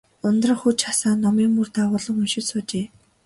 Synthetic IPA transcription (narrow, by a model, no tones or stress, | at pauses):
ʊnt̪rə̆xut͡ɕχasaːnːɔmiːŋmurt̪aːʁʊːɮɞ̆ŋɵnʃɪ̆sʊːt͡ɕeː